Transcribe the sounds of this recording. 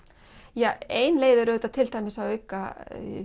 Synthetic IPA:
jaeːjnleːjðʏɾœːt̪aðt̪ʰɪlt̪ʰajmɪsawʏjkːa

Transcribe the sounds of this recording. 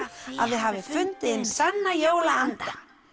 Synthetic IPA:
a̰ðvɪðɦaːvɪfʏnt̪ɪɪnsanːajoːwlaant̪aḁ

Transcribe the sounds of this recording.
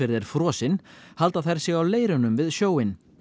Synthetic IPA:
ɪɾðɪɾ̥fɾɔːsɪnhalt̪aθaɾ̥sjɛɣawleːjɾʏnʏmvɪðsjoːwɪn

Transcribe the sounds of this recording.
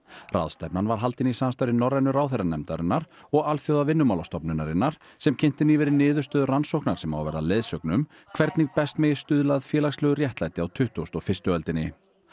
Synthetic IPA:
ra̰wðst̪ɛpnanvaɾ̥ɦalt̪ɪnisamst̪aɥɾɪnɔrːanːʏɾaːwθejɾanɛmt̪aɾɪnːaɾɔɣalθjowðavɪnːʏmawlast̪ɔpnʏnaɾɪnːaɾ̥ | sɛmcʰɛn̥t̪ɪniːvɛɾɪnɪːðʏɾ̥st̪œːðʏransowhknaɾ̥sɛmhavavɛɾðaleːðsœknʏm | kʰv̥ɛɾt̪niɣpɛst̪meːjɪ̥st̪ʏðlaðfjɛːlakslɛːɣʏrjɛht̪lajt̪ɪawt̪ʰʏht̪owst̪ɔɣfɪst̪ʏœlt̪ɪnɪ

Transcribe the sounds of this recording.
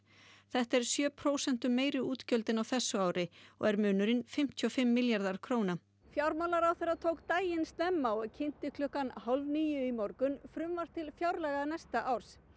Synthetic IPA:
θɛht̪ɛɾ̥sjœːpʰɾoːwsɛn̥t̪ʏmːeːjɾɪuːt̪cœlt̪ɪnawθɛsːʏaːwɾɪɔ̰ɣɛɾmʏːnʏɾɪnfɪm̥t̪ʰiɔfɪmːɪljaɾðaɾ̥kʰɾoːwna | fjawɾmalaɾawθɛjɾat̪ʰowkt̪aːjɪnst̪vɛmːawcʰɪn̥t̪ɪkʰlʏkːanhawlvniːjʏimɔɾkʏnfɾʏmvaɾ̥t̪ʰɪlfjawɾlɛɣanɛst̪aʔawɾ̥s

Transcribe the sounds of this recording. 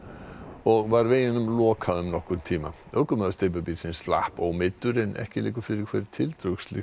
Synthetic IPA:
ɔɣvaɾveːjɪnʏmlɔːkʰaðʏmnɔhkʏt̪ʰiːma̰ | œwkʏmaːðʏst̪eːjpʏpiːt̪sɪnsla̰hpɔɣmɪt̪ːʏɾɪnʔɛ̰hcɪleːkʏ̥fɪɾɪɾkʰvɛːjɾɪ̥t̪ʰɪlt̪ɾœkslɪ̰

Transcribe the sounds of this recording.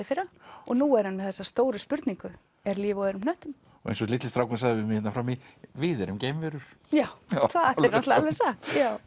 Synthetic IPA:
ɪfɪɾaɔɣnuːɛɾhanmɛðθɛsːḁst̪oːwɾʏspʏɾt̪niŋkʏ | ɛɾliːvaðɛɾʏmn̥œht̪ʏm | ɔɣḛjnsɔlɪt̪lɪst̪ɾawk̪ʏms̬aɣðɪvɪmɪhɛt̪nafɾamivɪːðɛɾʏmceːjmvɪɾʏɾ̥ | jaːw̪ʰaɛɾnaht̪laalvɛsaxt̪jaːw

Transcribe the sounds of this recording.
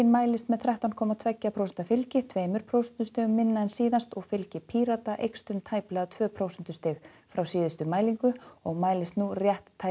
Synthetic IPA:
ɪnmaːjlɪst̪mɛðθɾɛht̪awnkʰɔːmat̪ʰvɛcːapʰɾowsɛn̥t̪afɪlcɪt̪ʰvejmʏɾ̥pʰɾowsɛnt̪ʏst̪ɛːɣʏmːɪnːaɛnsiːðanst̪ɔɣfɪlcɪpʰiːɾat̪aʔejkst̪ʏmt̪ʰaːjplɛɣat̪ʰvœːpʰɾowsɛnt̪ʏ̥st̪ɛːx | fɾawsiːðɪst̪ʏmaːjliŋkʏɔɣmaːjlɪst̪nurjɛht̪ʰːa

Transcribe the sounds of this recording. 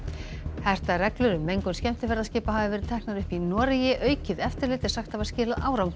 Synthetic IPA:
hɛjr̥t̪arɛklʏɾʏmːejŋkʏnscɛm̥t̪ɪfɛɾðascɪːpaɦaːvɪvɛɾɪðt̪ʰɛhknaðʏhpinɔːɾɪjɪʔœːɥcɪðɛft̪ɪɾlɪːt̪ɪ̥saxt̪havascɪːlaðʔaːwɾawŋ

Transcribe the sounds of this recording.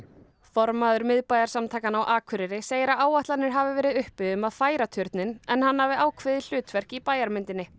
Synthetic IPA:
fɔɾmaðʏɾmɪðpaːjaɾ̥samt̪ʰaːjkanawʔaːkʰvʏɾɪɾɪseːjɪɾaaːwaht̪lanːɪɾ̥ɦaːvɪvɛːɾɪðʏhpɪðʏmaðfaːjɾat̪ʰʏɾt̪nɪnɛnhanːhaːvɪaːwkʰvɛðɪl̥ʏːt̪vɛr̥cɪipaːjaɾmɪnt̪ɪnːɪ

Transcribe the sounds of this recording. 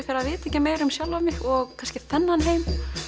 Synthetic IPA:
fɪɾaðvɪːt̪ɛhcɪmeːjɾʏmsjawlavmɪxkɔɣkʰanscɪt̪ʰɛnːanɦeːjm

